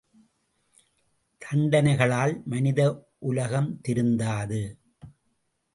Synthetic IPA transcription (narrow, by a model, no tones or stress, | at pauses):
t̪ʰɐɳɖɐnɐɪɣɐɭaːlmɐnɪðɐ | ʔʊlɐɣɐmt̪ɪɾɯnd̪aːðɯ